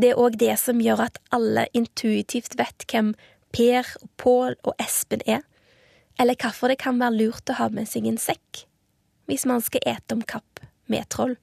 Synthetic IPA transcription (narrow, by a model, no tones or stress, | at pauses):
d̪ɛæɾʔoːɡd̪ɛsɔmjøːʁɑt̪ʔɑlːə̰ʔɪnt̪ʰʉːɪt̪ʰiːft̪ʋɛt̪kʰɛm | pʰeːʁɔpʰoːlɔ̰ʔɛspənɛ | ʔɛlːəkʰɑfɔʁd̪ɛkʰɑnʋæːʁəlʉːʁt̪ɔhɑːmɛsɛɡeːnsɛkː | ʋɪsmɑnskɑʔeːt̪əɔmkʰɑpː | mḛːt̪ʰʁɔl